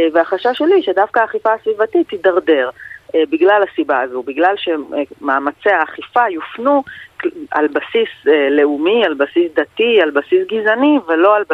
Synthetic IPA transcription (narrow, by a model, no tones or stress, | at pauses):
veaχaʃaʃe̞liʃedafkaaːχifaasvivatit̪ːidaʁde̞ʁebiɡlalasibaazubiɡlalʃe̞maːmat͡seaːχifajufnu | a̰lbasisele̞umialbasisd̪atialbasisɡizanivelo̞al